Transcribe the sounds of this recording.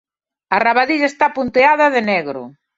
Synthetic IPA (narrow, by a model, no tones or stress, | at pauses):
araβaðiʎaest̪apunt̪eaðɐðenɛɣɾʊ̰